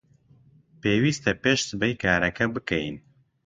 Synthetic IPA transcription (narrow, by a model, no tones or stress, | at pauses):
peːwiːst̪ɛpeːʃsɨbɛjkaːɾɛkɛbɨkɛjḭn